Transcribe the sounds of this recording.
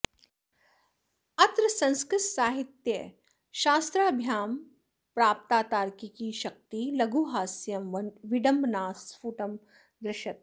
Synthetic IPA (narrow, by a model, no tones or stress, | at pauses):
ɐt̪ɾɐsɐ̃nskɾɪt̪saːɦit̪jɐ | ʃaːst̪ɾaːbʱjaːm | pɾaːp̚t̪aːt̪aːɾkikiʃɐk̚t̪ilɐɡuːɦaːsjɐmʋɪɖɐmbʱnaːsfuːʈɐm | d̪ɾɪʃɐt̪̚